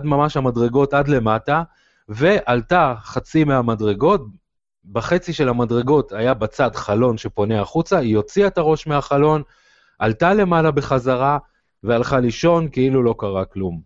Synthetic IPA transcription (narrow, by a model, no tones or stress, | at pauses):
dmamaʃhamadʁe̞ɡo̞tadle̞mata | ve̞ʔaltaχat͡simeɦamadʁe̞ɡo̞t̚ | baχe̞t͡siʃe̞lhamadʁe̞ɡo̞t̪ajabat͡sadχalo̞nʃe̞po̞neaχut͡saijo̞t͡siaet̪aʁo̞ʃmeaχalo̞n | ʔaltale̞malabeχazaʁa | vealχaliʃo̞nkeilulo̞kaʁaklum